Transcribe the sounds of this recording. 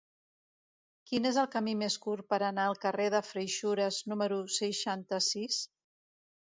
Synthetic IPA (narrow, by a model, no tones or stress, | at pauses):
kinezəlˠkəmimeskurpəɾənaəlˠkəreðəfɾəjʃuɾəznuməɾusəʃant̪əsis